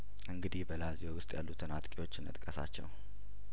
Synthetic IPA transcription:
ʔɨŋɡɨd̪ihbəlaziowʊst̪ʼjalːut̪ʰɨnat̪ʼkʼewo̞t͡ʃːɨnɨ̰t̪ʼkʼəsa̰t͡ʃːɛ̰w

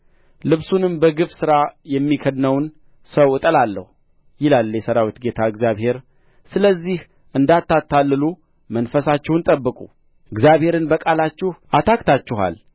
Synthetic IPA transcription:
lɨβsunɨmbəɡɨβsɨɾajɛmːikʰəd̪nəwn | səwɨt̪ʼəlalːə̰hu | jɪlalːjɛsəɾawit̪ɡe̞t̪ʰaɨɡzjaβhe̞ɾ | sɨləzːih | ʔɨnd̪at̪ːat̪ʰːalːɨlu | mənfəsat͡ʃːɛwnt̪ʼəbːɨkʼu | ɨɡzjaβhe̞ɾɨnbəkʼalat͡ʃːɪhat̪ʰakt̪ʰat͡ʃːɪɦa̰l

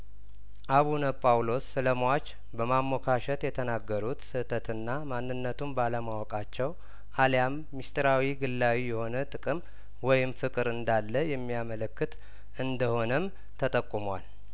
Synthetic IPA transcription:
ʔaβunəpʼawlo̞sɨləmwat͡ʃ | bəmamːɔkʰaʃət̪jɛt̪ʰənaɡːəɾut̪sɨt̪ʰət̪ʰɨnːamanːɨnːət̪ʰumbaləmawɔkʼat͡ʃːɛw | ʔaljamːist̪ʰɾawiɡɨlːawijɛho̞nət̪ʼɨkʼɨm | wɔjɪmfɨkʼɨɾɨnd̪alːəjɛmːijamələkːɨt̪ | ʔɨnd̪əho̞nəm | t̪ʰət̪ʼəkʼːumwal

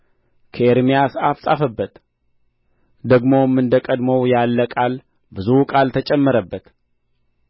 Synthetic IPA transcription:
kʰəeɾmijasafsʼafəbːət̪ | d̪əɡmo̞mːɨnd̪əkʼəd̪məwjalːəkʼal | bɨzukʼalt̪ʰət͡ʃʼɛmːəɾəbːət̪

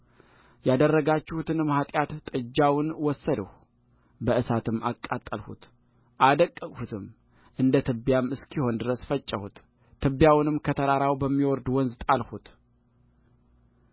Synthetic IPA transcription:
jad̪ərːəɡat͡ʃːɪhut̪ʰɨnɨmhat̪ʼjat̪ːʼɨd͡ʒːawʊnwɔsːəd̪ə̰h | bəʔɨsat̪ʰɨmːa̰kʼːat̪ʼːəlhṵt̪ | ʔad̪əkʼːəkʼhut̪ʰɨm | ʔɨnd̪ət̪ʰɨbjamːɨskʰiho̞nd̪ɨɾəsfət͡ʃʼːəhut̪ʰː | ɨbjawnɨmkʰət̪ʰəɾaɾawbəmːiwɔɾd̪wɔnzɨt̪ʼalhut̪

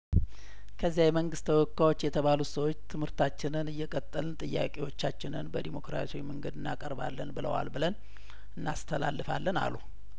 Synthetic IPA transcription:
kʰəzːjajɛməŋɡɨst̪ʰəwɔkːawo̞t͡ʃːjɛt̪ʰəβalusəwot͡ʃːt̪ʰɨmhɨɾt̪ʰat͡ʃːɪnɨnɨjːɛkʼət̪ʼːəlɨnt̪ʼɨjːa̰kʼewo̞t͡ʃːat͡ʃːɪnɨnbəd̪imo̞kɾa̰swiməŋɡəd̪ɨnːakʼəɾba̰lːənbɨlə̰wa̰lbɨlən | ɨnːast̪ʰəla̰lːɨfa̰lːəna̰lu

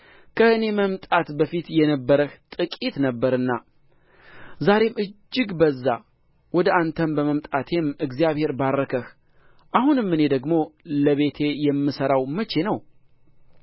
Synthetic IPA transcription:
kʰəɨne̞məmt̪ʼat̪bəfit̪jɛnəbːəɾəht̪ʼɨkʼit̪nəbːəɾɨnːa | zaɾe̞mɨd͡ʒːɨɡbəzːa | wɔd̪əant̪ʰənbəməmt̪ʼat̪ʰe̞mɨɡzijaβhe̞ɾbarːəkʰəx | ʔahunɨmːɨne̞d̪əɡmo̞ləβe̞t̪ʰe̞jɛmːɨsəɾawmət͡ʃe̞nəw

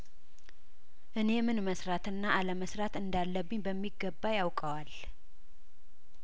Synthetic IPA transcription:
ʔɨne̞mɨnməsɾat̪ɨnːaʔaləməsɾat̪ɨnd̪alːəbːɨɲbəmːiɡːəbːajawkʼəwal

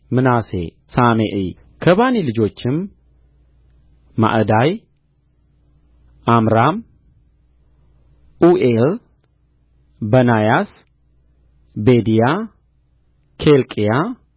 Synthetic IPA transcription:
mɨnasḛ | sameʔi | kʰəβanilɨd͡ʒo̞t͡ʃːɪm | ma̰ʔd̪aj | ʔamɾam | ʔuʔel | bənajas | bed̪ija | kʰelkʼija

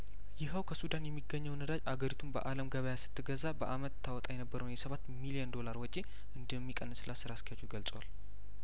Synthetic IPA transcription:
jɪɦəwkʰəsud̪anjɛmːiɡːəɲːəwnəd̪ad͡ʒaɡəɾit̪ʰumbə̰ʔaləmɡəβəjasɨ̥t̪ʰːɨɡəzabəʔamət̪ʰːawɔt̪ʼajɛnəbːəɾəwnjɛsəβat̪ːmilijənd̪o̞laɾwɔt͡ʃʼe | ʔɨnd̪əmːikʼənːɨslasɨɾaskijat͡ʃːuɡəlt͡sʼəwa̰l

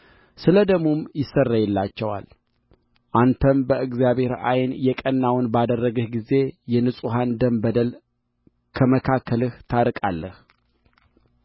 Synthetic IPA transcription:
sɨləd̪əmːomjɪsərːajɛlːat͡ʃːɛwa̰l | ʔant̪ʰəmbəʔɨɡzijaβhe̞ɾa̰jnjɛkʼənːawnbad̪ərːəɡɨhɡize̞jɛnɨsʼuɦand̪əmbəd̪əl | kʰəməkʰakʰːəlɨht̪ʰaɾkʼalːəh

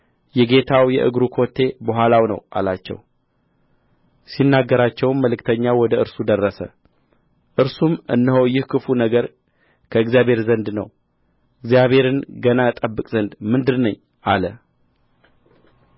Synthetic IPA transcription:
jɛɡe̞t̪ʰawjɛ̰ʔɨ̰ɡɾukʰo̞t̪ʰːe̞bəɦʷalawnə̰wʔa̰lat͡ʃːɛ̰w | sinːaɡːəɾat͡ʃːɛwnməlɨkt̪ʰəɲːawɔd̪əɨɾsud̪ərːəsə̰ | ʔɨɾsumɨ̰nːɨhojɪhkʰɨfunəɡəɾ | kʰəɨɡzijabʱhe̞ɾzənd̪nə̰w | ɨɡzijaβhe̞ɾɨnɡənaɨt̪ʼəbːɨkʼzənd̪mɨnd̪ɨdnəɲː | ʔalə

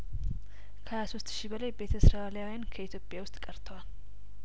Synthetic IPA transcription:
kʰəhajaso̞st̪ʃibəlajbe̞t̪ʰəsɾaljawijankʰəit̪ʰjopʼjawʊst̪ʼkʼəɾt̪ʰəwal

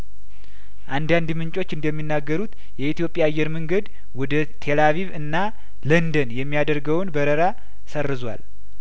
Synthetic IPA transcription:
ʔand̪and̪mɨɲt͡ʃʼo̞t͡ʃːɨnd̪əmːinːaɡːəɾut̪ | jɛit̪jo̞pʼjajːɛɾməŋɡəd̪ | wɔd̪ə | t̪ʰelaviβɨnːa | lənd̪ənjɛmːijad̪əɾɡəwnbəɾəɾa | sərːɨzwa̰l

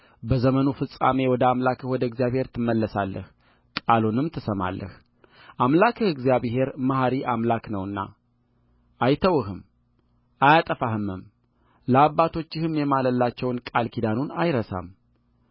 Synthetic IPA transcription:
bəzəmənufɨsʼa̰me̞wɔd̪əamlakʰəhwɔd̪əɨɡzijaβhe̞ɾt̪ʰɨmːəlːəsalːə̰h | kʼalunɨmt̪ʰəsəma̰lːə̰h | ʔamlakʰɨɨɡzijaβɦe̞ɾmaɦaɾiʔamlaknəwɨnːa̰ | ʔajt̪ʰəwɨhɨm | ʔajat̪ʼəfahɨmːɨm | ləaβːat̪ʰo̞t͡ʃːɪhɨmjɛmaləlːat͡ʃːɛwnkʼalkʰid̪anunajɾəsa̰m

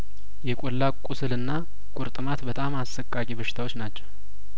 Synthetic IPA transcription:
jɛkʼolːakʼʊsɨlɨnːa | kʼʊɾt̪ʼɨmat̪bət̪ʼamasːəkʼːakʼiβəʃɪ̥t̪ʰawo̞t͡ʃːnat͡ʃːɛw

